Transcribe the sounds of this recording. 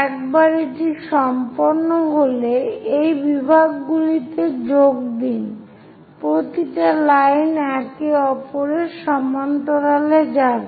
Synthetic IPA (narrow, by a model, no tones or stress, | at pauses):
ɛk̚baɾeʈiʃɔmpoɾnoɦoleejbibʱaɡːulit̪ed͡ʑoɡ̚d̪in | pɾot̪iʈalajnɛkeɔpoɾeʃɔmant̪oɾaled͡ʑan